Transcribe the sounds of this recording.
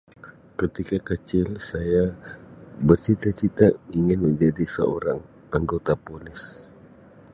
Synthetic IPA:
kət̪ikakət͡ʃɪlsaja | bərt͡ʃit̪at͡ʃit̪aiŋɪnməɲd͡ʒadisə̰o̰ɾaŋ | aŋɡot̪apolɪs

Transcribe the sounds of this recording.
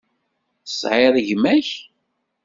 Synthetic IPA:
sʕeðˤʝmæç

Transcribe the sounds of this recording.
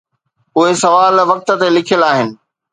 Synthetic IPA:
ʊɦesɐʋaːlʋɐk̚t̪ə̆t̪elɪkʰijəlaːɦɪnɪ̆

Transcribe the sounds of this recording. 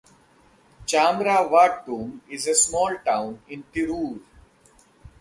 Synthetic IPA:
t͡ʃaːmɾaːʋaːʈ̚ɾũːmɪzesmɔːlʈãʊ̃nɪ̃nt̪ɪɾuːɾ

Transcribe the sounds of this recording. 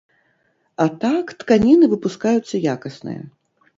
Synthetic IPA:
at̪akt̪kanʲinɨvɨpuskajut̪sːɐjakɐsnɨ̰jɐ̰

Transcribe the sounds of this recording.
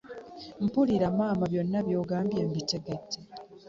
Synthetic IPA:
m̩puliɾamaːmaβjo̞nːaβjo̞ːɡaːmbjembite̞ɡe̞tːe

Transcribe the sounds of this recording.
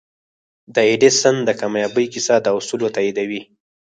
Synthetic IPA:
d̪əeɖesənd̪əkamajabəjkisad̪əusulot̪aid̪awi

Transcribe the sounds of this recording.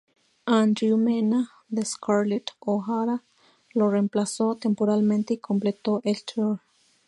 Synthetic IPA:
and̪ɾjumena | d̪eskʰaɾlet̪oɦaɾa | loremplasot̪empoɾalment̪eikʰomplet̪oʔelt̪ɾoɾ

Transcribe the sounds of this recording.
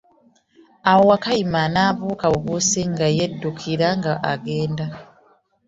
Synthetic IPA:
awo̞wakajimanaːβuːkaβuβusiŋɡajedːukʰiɾaŋɡaʔaɡe̞ːnda

